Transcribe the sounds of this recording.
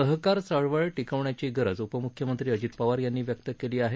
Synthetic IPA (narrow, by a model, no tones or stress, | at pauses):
əɦkaɾsəɭʋəɭʈikəʋɳjat͡ɕiːɡəɾəd͡zupəmukʰjəmənt̪ɾiːəd͡ʑit̪paʋaɾjanːiːʋjək̚t̪əkeliːaɦe